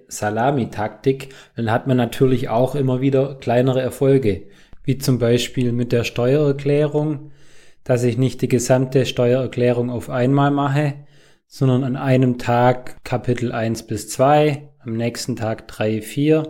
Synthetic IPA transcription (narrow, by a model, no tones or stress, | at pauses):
salaːmitʰak̚tɪkd̥anhatmanːatʰyːɐlɪça̰ʊxʔɪmɐviːdɐkl̥aɪnəʁəɛɐfɔlɡə | viːt͡sʊmbaɪʃpiːlmɪt̚d̥eːɐʃtɔʏɐɛɐkl̥ɛːʁʊŋ | d̥asɪçnɪçt̚d̥iːɡəzamtəʃtɔʏɐɛɐkl̥ɛːʁ̞ʊŋaʊfʔaɪnmaːlmaχə | z̥ɔndɐnanʔaɪnəmtʰaːkkʰːapʰɪtl̩ʔaɪnsb̥ɪst͡sv̥aɪʔamnɛːçstn̩tʰaːkd̥ʁaɪfiːɐ